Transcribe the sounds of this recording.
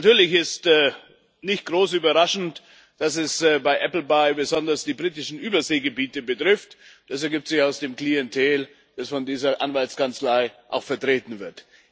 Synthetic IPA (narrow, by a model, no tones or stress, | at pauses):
atyːɐlɪçɪstː | nɪçt̚ɡ̥ʁoːsyːbɐʁaʃn̩t | d̥asɛsbaɪʔɛpl̩baɪbəzɔndɐsd̥iːbʁiːtɪʃn̩ʔyːbɐzeːɡəbiːtəbətʁ̥ɪftd̥asɛɐɡiːp̚tz̥ɪçaʊsd̥eːmkl̥iɛntʰɛːl | d̥asfɔndiːzɐʔa̰nvaltskant͡slaɪʔa̰ʊxfɛɐtʁ̥eːtn̩vɪɐt